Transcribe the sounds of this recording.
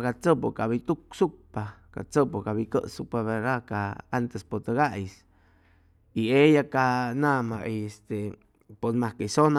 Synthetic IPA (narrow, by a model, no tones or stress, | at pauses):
kat͡səpokabit̪uk̚supaka̰t͡səpokabikəʔsupaβeɾakaant̪espot̪əɡaʔjs | iejakanamaʔiest̪e | ponmakesona